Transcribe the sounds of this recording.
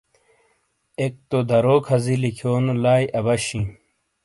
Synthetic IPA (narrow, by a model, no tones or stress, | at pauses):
ek̚t̪od̪ʱɐɾoːkʰɐzilikʰoːnulaːjʔɐbɐɕĩ